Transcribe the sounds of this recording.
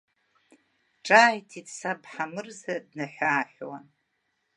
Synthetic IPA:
ʈ͡ʂʼaːjtʰitʰʼsabħamɨrzadnaħʷaːħʷwan

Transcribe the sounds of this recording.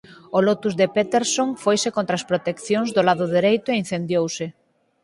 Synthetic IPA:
olɔt̪uzðepet̪eɾsoŋfojsekont̪ɾaːspɾot̪ekθjoŋzðolaðʊðeɾejt̪ʊein̟θend̪jowsɪ

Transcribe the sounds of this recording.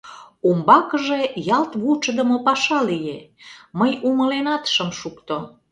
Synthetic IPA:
umbɑkəʒejɑlt̪βut͡ʃəd̪əmopɑʃɑlijeməjuməlenɑt̪ʃəmʃukt̪o

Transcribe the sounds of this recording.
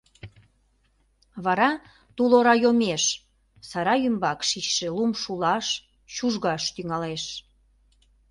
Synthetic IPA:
βɑɾɑ | t̪uloɾɑjomeʃ | sɑɾɑjymbɑkʃiʃʃelumʃulɑʃ | ʃuʒɣɑʃt̪yŋɑleʃ

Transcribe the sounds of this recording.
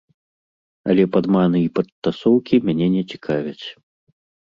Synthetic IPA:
a̰lʲɛpad̪manɨipɐt̪ːasɔwkʲimʲanʲɛnʲɛt͡sʲi̥kʰavʲɐt͡sʲ

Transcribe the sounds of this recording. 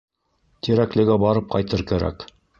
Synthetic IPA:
t̪iɾæklɘ̆ɡæbɑɾɤp̚qɑjt̪ɤɾkæɾæ̰k

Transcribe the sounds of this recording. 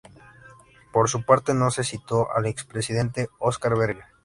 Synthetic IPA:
po̞ɾsupaɾt̪e̞no̞se̞sit̪o̞ʔa̰lekspɾesið̞e̞nt̪e̞oskaɾβeɾɣa

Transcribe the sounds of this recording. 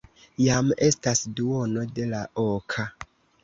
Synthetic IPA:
jame̞stasduo̞no̞de̞laʔokʰa

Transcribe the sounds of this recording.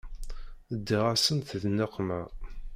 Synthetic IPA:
əd̪ːiʁasənθəðnːaqːmæ

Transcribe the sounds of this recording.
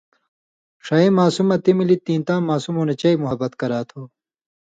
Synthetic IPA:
ʂɐemaːsumɐt̪imilit̪ĩːnt̪ãːmaːsumoːnɐt͡ɕɐimuɦɐbɐt̪kɐɾaːt̪ʰoː

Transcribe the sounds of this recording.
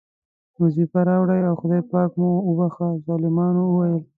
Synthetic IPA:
mʊzifaɾɑwɽajawxʊd̪ɑjpɑkmoːbaxazɑlɪmɑnoəwajəl

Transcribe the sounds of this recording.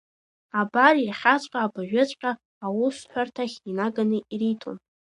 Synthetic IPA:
abarirχʲat͡ɕʷʼqʼaːbaʒᶣɪt͡ɕʷʼqʲʼaː | wʊsħʷᶣartʰaχʲinaɡanɨiritʰo̰n

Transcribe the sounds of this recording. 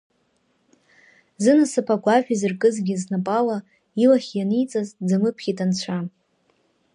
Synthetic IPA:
zɨnasɨpʰaɡʷaʒᶣizɨrkʼɨzɡʲiznapʼala | ilaχʲjanijt͡sʼazd͡zamɨpʰχʲitʼant͡ɕʷʰa

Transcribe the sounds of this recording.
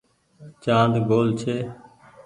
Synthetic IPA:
t͡ʃãːnd̪ʱɡoːlt͡ʃʰeː

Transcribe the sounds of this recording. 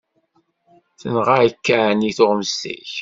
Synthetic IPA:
θənʁaʕəkːaʕniθʊʁməstḭç

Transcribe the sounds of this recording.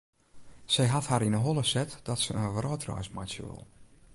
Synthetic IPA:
sɛjɦathaɾinəɦolˠəsɛtd̥ɔtsəənʋrɔːtrɔ̰ːjsma̰t͡ʃə̰lˠ

